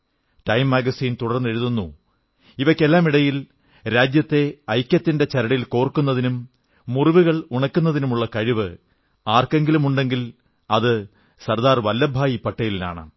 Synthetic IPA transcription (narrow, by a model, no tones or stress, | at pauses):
ʈɐjmːaːɡɐsiːnt̪uɽɐrnːe̞ɻuðunːu | iʋɐkːe̞lːaːmiɽɐjil | ɾaːd͡ʑjɐt̪ːe̞ɐjkʲːɐt̪ːinde̞t͡ɕɐɾɐɽɐjilko̞ːrkːunːɐðinumː | uriʋuɣɐɭuɳɐkːunːɐðinumuɭːɐkɐɻiʋɨ | aːrke̞ŋɡilumuɳɖe̞ŋɡil | ɐðɨ | sɐrd̪aːrʋɐlːɐbʱaːjipɐʈːɐjilina̰ːɳɨ̰